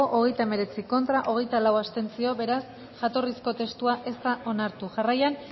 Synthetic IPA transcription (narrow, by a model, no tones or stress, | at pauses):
oʔoɣ̞e̞jt̪aeme̞ɾe̞t͡siko̞nt̪ɾaʔo̞ɣ̞e̞jt̪alawast̪e̞nt͡sio̞βe̞ɾas | ʝat̪o̞risko̞t̪e̞st̪uaʔe̞st̪aʔo̞naɾt̪uʝarajan